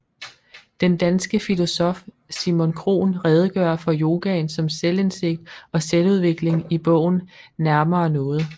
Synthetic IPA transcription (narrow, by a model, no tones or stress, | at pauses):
d̥end̥ænsɡ̥əfilo̝sɒ̽f | simo̝nkʰʁo̝̰ːnʁɛːð̞ˠəɡ̥ɶɐfɒ̽jo̝ːɡ̥ɛnsɒ̽msele̝nse̝ɡ̥̚d̥ɒ̽seluð̞ˠʋe̝ɡ̥le̝ŋib̥ɔ̰̽ʊ̰n̩næɐmɐːnɔ̽ːð̞̩ˠ